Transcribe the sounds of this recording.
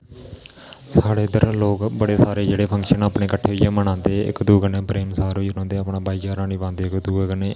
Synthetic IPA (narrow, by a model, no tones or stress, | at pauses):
saːɽeːd̪əɾloːkbəɽeːsaːɾeːd͡ʒeːɽeːpʰə̃ŋkʃənaːpɳeːkəʈʰːeːʊiːjaːmənãːnd̪eːɪ̰kd̪uːɡənẽːpɾeːmsaːɾoiːnõːnd̪eːaːpɳãːbaːiːd͡ʒaːɾãːniːʋãːnd̪eːɪkd̪uːkəneː